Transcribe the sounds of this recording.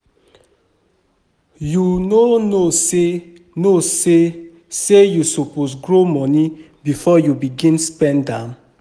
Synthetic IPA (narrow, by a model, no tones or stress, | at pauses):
junonose | nose | sejusoposɡɹomɔni | bifɔjubiɡĩnspɛ̃ndãn